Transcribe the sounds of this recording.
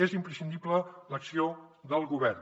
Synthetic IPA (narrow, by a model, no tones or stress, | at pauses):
ezimpɾəsind̪iplələksiod̪əlˠɣuβɛrn